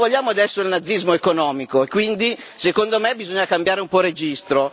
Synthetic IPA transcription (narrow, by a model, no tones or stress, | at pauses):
voʎːaːmoad̪ɛsːoelnad̪zːizmoekonɔːmikoekːwind̪i | sekond̪omebizoɲːakambjaːɾeumpɔred͡ʒist̪ɾo